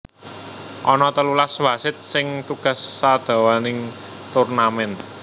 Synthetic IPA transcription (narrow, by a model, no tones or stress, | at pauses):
ʔɔnɔt̪əlulaswasɪt̪̚sɪŋt̪uɡ̥ä̤sːad̪̥a̤wanɪŋ | t̪urnamɛn